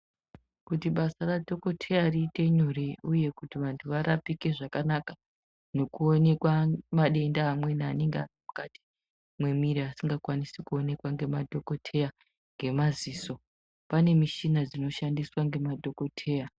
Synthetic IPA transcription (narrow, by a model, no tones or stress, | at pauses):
kutiɓasaradʱo̞ko̞tʰe̞jariːte̞ɲoriuje̞kutiʋantʰuʋaɾʔapike̞ʐakanaka | no̞kuo̞ne̞kwamaɗe̞ndaːmwe̞naːneŋɡea̰rimukati̥ | mwe̞miɾiasiŋɡakwanisikuone̞kwaŋɡe̞madʱo̞ko̞tʰe̞ja | ŋɡe̞maziːso̞ | pane̞miʃinad͡zino̞ʃandiswaŋɡe̞madʱo̞ko̞tʰe̞ːja